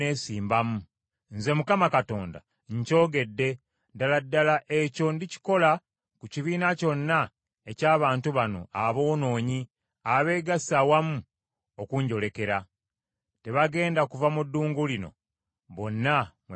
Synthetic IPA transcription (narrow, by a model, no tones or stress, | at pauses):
e̞ːsiːmbamu | nze̞mukamakato̞̰ːnda̰ | ɲco̞ːɡe̞dːe̞ | daladːalaʔe̞co̞ndici̥ko̞la | kuciβiːnaco̞nːa | e̞caːβaːntuβano̞̰ʔaβo̞ːno̞ːɲi | aβe̞ːɡasawamu | okuɲɟo̞le̞ke̞ɾa | te̞βaɡe̞ːndakuvamudːuːŋɡulino̞̰ | βo̞nːam